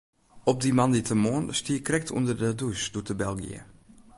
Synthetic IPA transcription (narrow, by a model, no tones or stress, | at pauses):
ɔp̚dimanditəmoːnstiəkrɛk̚tʰṵndərdədusd̥uətəbɛlˠɡḭə̰